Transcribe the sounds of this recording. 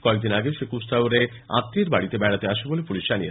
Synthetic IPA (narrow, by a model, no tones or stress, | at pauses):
kɔek̚d̪inaɡeʃekust̪awɾe | a̰t̪ːiɾbaɽit̪ebɛɽat̪eaʃebolepuliʃd͡ʑania